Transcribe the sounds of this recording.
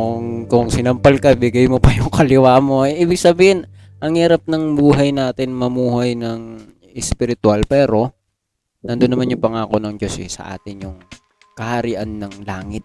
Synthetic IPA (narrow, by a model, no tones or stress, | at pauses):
oŋkʊŋsɪnɐmpalkɐbɪɡɐjmopɐjʊŋkɐlɪwaːmo̞ɛʔiːbɪɡ̚sɐbiːhɪn | ʔɐŋhiːɾɐp̚nɐŋbuːɦɐjnaːt̪ɪnmɐmuːhɐjnɐŋ | ɛspɪɾɪt̪ʊalpɛːɾo̞ | nɐnd̪onːɐmanjʊŋpɐŋaːko̞nɐŋd͡ʒo̞sʔɛ̰sɐ̰ʔa̰ːt̪ɪnjʊŋ | kɐhɐɾiːʔɐnːɐŋlaːŋɪt̪̚